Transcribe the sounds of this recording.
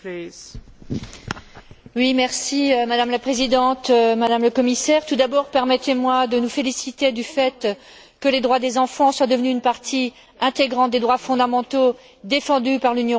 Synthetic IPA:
wimɛʁsimad̪amlapχezid̪ɑ̃t̪mad̪amləkɔmisɛʁt̪ud̪abɔʁpɛʁmɛt̪emwad̪ənufelisit̪ed̪yfɛt̪ | kəled̪ʁwad̪ezɑ̃fɑ̃swad̪əvnyːnpaʁt̪ʰi | ɛ̃t̪eɡʁɑ̃t̪̚d̪ed̪ʁwafɔ̃d̪amɑ̃t̪o | d̪efɑ̃d̪ypaʁlynjɔ̃

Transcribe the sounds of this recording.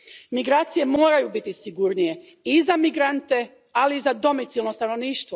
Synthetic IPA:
miɡɾaːt̪sije̞moːɾajubit̪isiɡuɾnije̞ | izamiɡɾant̪e̞ | aliːzad̪o̞mit̪silˠno̞st̪ano̞ʋniːʃt̪ʋo

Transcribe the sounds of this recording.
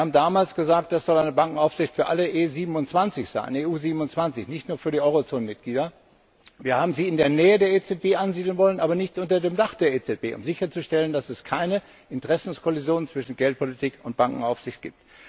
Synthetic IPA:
haːbm̩daːmaːlsɡ̥əzaːk̚t̚d̥asz̥ɔlaɪnəbaŋkŋ̩aʊfz̥ɪçtfyːɐʔaləʔeːziːbm̩ʊntt͡sv̥ant͡sɪçz̥a̰ɪneːʔuːziːbm̩ʊnt͡sv̥ant͡sɪçnɪçtnuːɐfyːɐɾiːʔɔʏʁot͡soːnənmɪt̚ɡ̥liːdɐ | viːɐhaːbm̩ziːɪndeːɐnɛːədeːɐeːt͡sɛt̚b̥eːʔanziːdl̩nvɔlənʔaːbɐnɪçtʔʊntɐdeːmdaχd̥eːɐeːt͡sɛt̚b̥eːʔʊ̰mzɪçɐt͡suʃtɛləndasɛskʰaɪnə | ʔɪntəʁɛsn̩skʰɔlizjoːnnt͡sv̥ɪʃn̩ɡɛlt̚pʰolitʰiːkʊnt̚b̥aŋkŋ̩aʊfz̥ɪçt̚ɡ̥ḭːp̚t

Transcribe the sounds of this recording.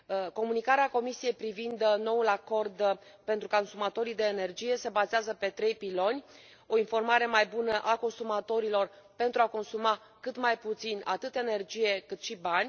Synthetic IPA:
ko̞munikaɾeako̞misije̞jpɾivind̪no̞ulako̞rd̪ | pent̪ɾukkonsumat̪o̞ɾid̪e̞ːne̞rd͡ʒije̞se̞bazeazəpe̞t̪ɾe̞jpilo̞nʲ | o̞info̞rmaɾe̞majbunəʔako̞nsumat̪o̞ɾilo̞r | pe̞nt̪ɾuako̞nsuma | kɨt̪majput̪sina̰t̪ɨt̪e̞ne̞rd͡ʒije̞kɨt̪ʃibanʲ

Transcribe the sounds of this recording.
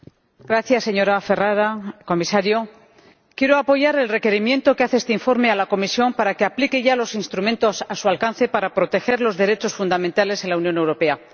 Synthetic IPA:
ɡɾaθjasːe̞ɲo̞ɾafe̞raɾako̞misaɾjo̞ | kje̞ɾo̞apo̞ʝaɾe̞lre̞ke̞ɾimje̞nt̪o̞keaθeest̪eiɱfo̞ɾme̞alako̞misjo̞mpaɾake̞aplike̞ʝalo̞sinst̪ɾumẽnt̪o̞sasualkanθe̞paɾapɾo̞t̪e̞xe̞ɾlo̞zðe̞ɾe̞t͡ʃo̞sfund̪amẽnt̪ale̞selaunjõ̞ne̞wɾo̞pe̞a

